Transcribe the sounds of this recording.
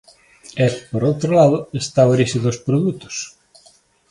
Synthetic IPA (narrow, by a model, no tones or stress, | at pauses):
ɛpoɾowt̪ɾolaðʊest̪aoɾiʃiðospɾoðut̪ʊ̥s